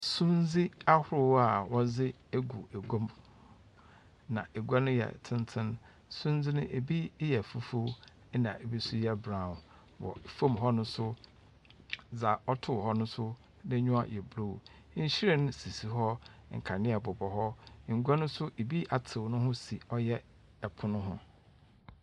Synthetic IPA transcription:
sũ˦nd͡zi˦a˦hʊ˦ɾʊ˦wa˨wɔ˦zɪ˦ | e˦ɡu˨e˨ɡo˦m | nã̰˨e˨ɡʷa˦nʊ̃˦jɛ̰˨tʰɪ̃˦n˦tʰɪ̃˦n | sũ˦nzɪ˦nʊ̃˦ʔe˨bi˦jɛ˨fu˦fu˦ | nã˨e˨bi˦sʊ˦jɛ˦bɾã˨ | wɔ̰˨fõ˦mɦɔ˦nʊ̃˦sʊ˦ | d͡za˨ɔ˦tʰʊ˦˨hɔ˦nʊ̃˦sʊ˦ | nɪ̃˦ɲᶣʊ̃˦a˦˨jɛ˨bɾo˦˨˦ | ɲ̩˦ɕi˦ɾɛ˦nʊ̃˦si˨si˨ɦɔ˦ŋ̩˨kʰa˨nɪ̃˦ɛ˨bʊ˨bɔ˨ɦɔ˦ŋ̩˨ɡʷa˦nʊ̃˦sʊ˦ʔe˨bi˦ʔa˨tʰɪ˨wnʊ̃˦hʊ̃˦si˨ɔ˦jɛ˦ | ɛ˨pʰʊ˨nʊ̃˦ɦʊ̰̃˦

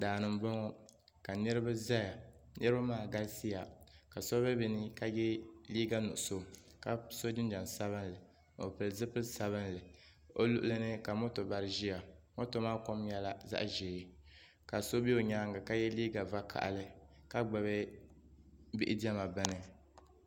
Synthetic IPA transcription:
daː˨nɨ˨m˦bɔ˦ŋɔ˦ | ka˨nɨ˦ɾɨ˦ba˦za˦ja˨nɨ˦ɨ˦ba˦maː˦˨ɡa˦lsi˦ja˨ka˨so˦bɛ˦bi˦nɨ˦ka˦jɛ˦liː˦ɡa˦nṵ˨ʔʊ˨so˨ | ka˨so˦dɪ˦n˦d͡ʒa˨nsa˦βɨ˦n˦lɨ˨ | o̰˨pɨ˨lzɨ˦pɨ˦lsa˨βɨ˦nlɨ˨ | o˦lu˦ʔʊ˦lɨ˦nɨ˦ka˨mo˦to˨ba˨ɾɨ˦ʒi˦ja˨mo˦to˨maː˦ko˦mjɛ˦la˦za̰˦ʔʒeː˨˦ | ka˨so˦bi˦o˨ɲaː˦ŋɡɨ˨ka˦jɛ˦liː˦ɡa˨va˦kʰa̰˨ʔa̰˨lɨ˦ka˦ɡ͡bɛ˨βɛ˦ | bi˦ʔɪ˦di˦ɛ˦ma˨bɨ˦nɨ˨

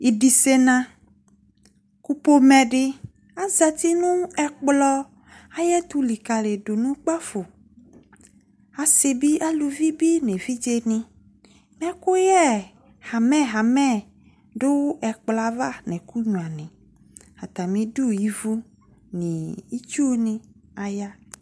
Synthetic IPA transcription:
i˨ɖi˨se˦nã˦ | ku˦po˦mɛ̃˨ɖɪ˦ | a˦za˨t̪i˦nũ˦ɛ˨k͡plɔ˦ | a˦jɛ˦t̪u˦li˨ka˨le˨ɖo˨nũ˦k͡pa˦fo˨ | a˨se˨bi˦ʔa˦lu˨vi˦bi˦nẽ˨vi˦d͡ʒe˦nĩ˨ | m˦ɛ̃˦ko˦jɛ˦ | ha˨mɛ̃˦ɦa˨mɛ̃˦˨ | ɖo˦wɛ˨k͡pla˨va˦nɛ̃˨ku˦ɲũ˨a˨nɛ̃˨ | ha˨t̪a˨mĩ˦ɖu˦ji˦vu˦ | nĩ˨i˦t͡ʃu˦nĩ˦a˨ja˦

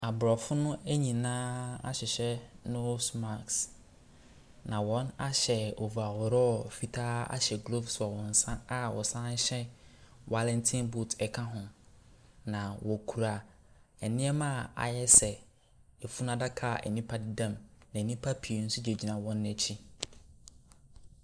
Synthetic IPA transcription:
a˨bɾɔ˨fʊ˦nʊ̃˦æ˦ɲĩ˨nãː˦a̰˦ɕɪ˨ɕɛ˦no˦sma˨ks | nã˨wɔ̃˦na˦ɕɛ˨o˨vu˨a˨wʊ˨ɾɔ˦˨fi˨tʰa˦a̰˦ɕɛ˨ɡlo˦fsʊ˨a˨wɔ̃˨n̩˨sã˦a˦wɔ˨sã˦n̩˦ɕɛ˦wa˦lɛ̃˦ntʰĩ˦nbu˦˨tʰɛ˨kʰã˦ɦʊ̃˨ | nã˨wʔɔ˨kʰu˨ɾa˨ | ɛ˨nɪ̃˦ɛ˦mãː˦˨a̰˨jɛ˦sɛ˨ | ɛ˨fu˦nã˦da˦kʰa˨ɛ̰˨nĩ˦pʰa˦dɪ˦dã˦˨mnã˨nĩ˦pʰa˦pʰi˨n̩˦sʊ˦d͡ʑe˨d͡ʑi˨nã˨wɔ̃˦nːɛ˨t͡ɕʰi˦

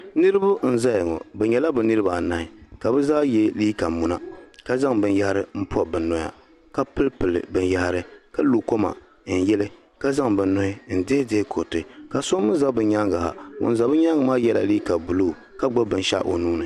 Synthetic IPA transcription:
nɨ˦ɾɨ˦bʊ˦n̩˦˨za˦jɪ˨ŋɔ̰˨bɛ˨ɲɛ˨la˦bɛ˨nɨ˦ɾɨ˦ba˨na˨ɪ˨ka˨bɛ˦zaː˦jɛ˦liː˦ka˨mu˨na˦ka˦za˦ŋbɨ˨nja˦ha˦ɾɨ˦m̩˦pɔ˦˨bɨ˨nːɔ˨ja̰˨ | ka˦pɨ˦lpɨ˨lɨ̰˨bɨ˨nja˦ha˦ɾɨ˦ka˦lu˨ko˦ma̰˨ | n̩˨jɛ˦lɨ˦ | ka˦za˦ŋbɨ˨nnɔ˦hɪ˦n̩˨de˦deː˦kʰo˨tɨ˨ka˨so˦mɨ˦za˦bɨ˨ɲa˦ŋɡa˨ha̰˨o̰˨n˨za˨˦bɨ˦ɲa˦ŋɡɨ˨maː˦jɛ˦la̰˨liː˦ka˨bu˨lu˦˨ | ka˦ɡ͡ba˦bɨ˨nʃa̰˦ʔo̰˨nuː˦nɨ˨

